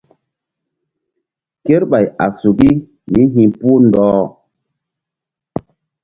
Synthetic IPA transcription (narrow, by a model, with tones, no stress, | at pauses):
ke˦ɾɓa˨ja̰˨su˨ɡi˦ | mi˦ɦĩ˨pu˦ndɔː˦